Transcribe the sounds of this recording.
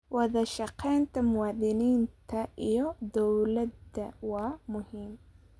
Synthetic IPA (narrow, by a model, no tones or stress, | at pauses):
wɑðɐʃɑqʰːɛjnt̪ʰɐmʊwɑːðɪniːnt̪ʰɐʔijɔd̪ɔwlɐd̪ɐwɑːmʊhiːm